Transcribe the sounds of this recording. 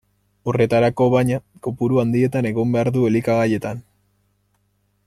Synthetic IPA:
ore̞t̪aɾako̞βaɲakopuɾuand̪ie̞t̪ane̞ɣo̞mbe̞aɾðue̞likaɣaje̞t̪an

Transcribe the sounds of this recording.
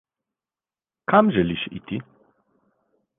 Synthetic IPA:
kamʒɛliʃḭt̪i

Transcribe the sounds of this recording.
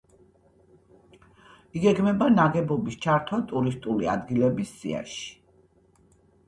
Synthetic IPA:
iɡɛɡmɛbanaɡɛbɔbist͡ʃʰaɾt̪ʰwat̪ʼuɾist̪ʼulia̰d̪ɡilɛbisːḭa̰ʃi̥

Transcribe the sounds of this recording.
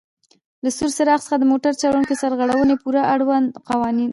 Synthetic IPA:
lasuɾsɪɾɑxsə̥xad̪əmoʈaɾt͡ʃɑɽunkosaɾɣaɽawənepuɾaʔaɽwand̪qawɑnin

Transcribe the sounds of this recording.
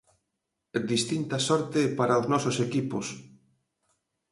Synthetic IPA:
d̪ist̪int̪ɐsɔɾt̪ɪpaɾaoznɔsosekipʊs

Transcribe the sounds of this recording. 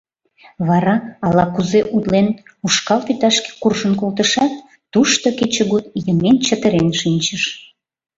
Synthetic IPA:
βɑɾɑɑlɑkuzeʔud̪lenuʃkɑlpit̪ɑʃke̥kurʒənkolt̪əʃɑt̪̚ː | uʃt̪oket͡ɕəɣut̪jəment͡ɕət̪əɾenʃinʲt͡ɕəʃ

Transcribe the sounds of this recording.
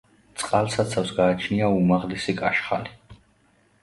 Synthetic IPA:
t̪sʼqʼalˠsat̪sʰafsɡaːt͡ʃʰniaumaʁlisikʼaʃχali

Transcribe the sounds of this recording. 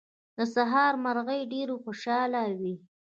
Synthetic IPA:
d̪əsaɦɑɾmaɾɣəjɖeɾoxoʃɑlawi

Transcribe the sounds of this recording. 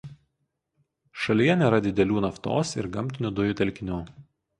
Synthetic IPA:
ʃɐlʲijɛnʲɛːɾɐd̪ʲɪd̪ʲɛlʲuːnɐft̪o̰ːsɪ̰ɾɡɐmʲt̪ʲɪnʲud̪ʊjuːˑt̪ʲɛlʲkʲɪnʲuː

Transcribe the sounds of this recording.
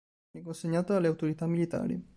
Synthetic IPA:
ikːonseɲːaːt̪oalːeawt̪oɾit̪amːilit̪a̰ːɾḭ

